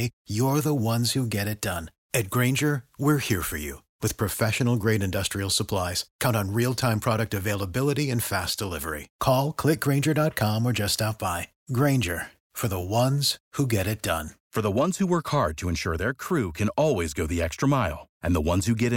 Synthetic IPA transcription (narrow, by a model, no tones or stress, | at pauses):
ɪjə˞ðəwʌ̃nz̥huɡɛɾɨt̚d̥ʌ̃n | ɨt̚ɡ̥ɹẽɪ̃nd͡ʒə˞wɪɹhiɹfə̰˞jʉ̰ | wɨð̥pʰɹ̥ɨfɛʃɨnl̩ˠɡɹeɪɾɨ̃ndʌstɹ̥il̩ˠsəpʰl̥aɪz̥kʰãʊ̃ntn̩ɹilˠtʰãɪ̃mpʰɹ̥ɑɾɨk̚tɨveɪlˠəbɪlˠəɾiɨ̃nfæsd̥əlɪvə̰˞ḭkʰɔlˠkʰl̥ɪk̚ɡ̥ɹẽɪ̃nd͡ʒə˞dɑt̚kʰɑ̃mə˞d͡ʒʌstaʊt̚b̥aɪ | ɡɹẽɪ̃nd͡ʒə˞ | fə˞ðəwʌ̃nz̥huɡɛɾɨt̚d̥ʌ̰̃nfə˞ðəwʌ̃nz̥huwɜ˞khɑɹd̚tʰɨɨ̃nʃʊ̰ɹðə˞kʰɹ̥ʉkʰɨ̃nɔlˠwizɡoʊðiɛkstɹ̥əmaɪlˠʔɨ̃nðəwʌ̃nz̥hʉɡɛɾɨ